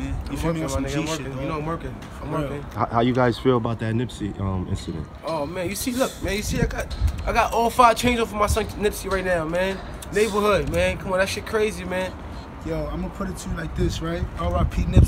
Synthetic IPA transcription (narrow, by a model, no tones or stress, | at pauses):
æ̃nmɜ̃˞manẽãwɜ˞kɪ̃njɨnoʊãɪ̃mwɜ˞kɪ̃n | ãɪ̃mwɜ˞kɪ̃nhaʊhaʊjɨɡaɪz̥filˠəbaʊt̪̚ðɨtⁿnɪpsiʔʌ̃mɪ̰̃nsɨɾɨ̰̃nt̚oʊmæ̃njɨsilʊk̚mæ̃njɨsiaɪɡɑtaɪɡɑɾʔɔlˠfaɪ̥t͡ʃʰẽɪ̃nzɔfəmaɪsʌ̃nnɪpsiɹaɪtⁿnaʊmæ̃nː | eɪbə˞hʊd̚mæ̃nkʰʌ̃mɑ̃næksʃikʰɹ̥eɪzimæ̃n | jæãɪ̃məpʰʊɾɨtʰɨlaɪk̚ðɪsɹaɪt̚oɹapʰinɪps